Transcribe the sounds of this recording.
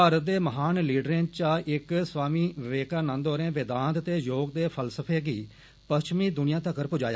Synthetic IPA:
paːɾət̪̚d̪eːməɦaːnliːɖɾẽːt͡ʃaːʔɪksʋaːmiːʋɪʋeːkaːnãnd̪ɦoːɾẽːʋɪd̪aːnt̪t̪eːjoːɡ̚d̪eːpʰəlsəpʰeːɡiː | pəst͡ʃmiːd̪ʊnɪjãːt̪əkəɾpʊd͡ʒaːja̰ː

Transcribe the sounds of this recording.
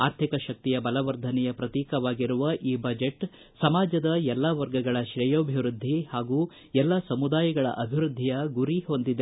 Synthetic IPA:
aːɾt̪ʰikɐʃɐk̚t̪ijɐbɐlɐʋɐɾd̪ʱɐnɛjɐpɾɐt̪iːkɐʋaːɡiɾuʋɐʔiːbɐd͡ʒeʈ | sɐmaːd͡ʒɐd̪ɐjɛlːaʋɐɾɡɐɡɐɭɐʃɾɛjoːbʱiʋɾud̪ʱːihaːɡuː | ɛlːɐsɐmud̪aːjɐɡɐɭɐ̰ʔɐbʱiʋɾud̪ʱːijɐɡuɾiɦo̞nd̪id̪e

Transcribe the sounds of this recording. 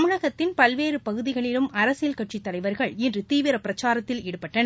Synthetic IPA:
mɯɻɐɣɐt̪ːɪnpɐlʋeːɾɯpɐɣɯðɪɣɐɭɪlɯmɐɾɐsɪlkɐʈ̚t͡ʃit̪ːɐlɐɪʋɐɾɣɐɭɛndrɯt̪iːʋɪɾɐpɪɾɐt͡ʃːaːɾɐt̪ːɪlɛɽɯpːɐʈːɐn

